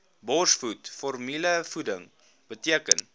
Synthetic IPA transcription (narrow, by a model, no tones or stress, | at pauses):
bɔsfutfɔrmiləfudəŋ | b̥ətiəkən